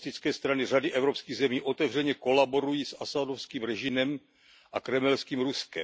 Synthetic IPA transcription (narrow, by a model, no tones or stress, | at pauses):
t̪ɪt͡skɛːst̪ɾanɪr̝adɪʔɛvɾo̞pskiːɣzɛmiːʔo̞t̪ɛvr̝ɛɲɛko̞labo̞ɾujiːsʔasadofskiːmɾɛʒɪnɛm | ʔakɾɛmɛlskiːmɾuskɛ̰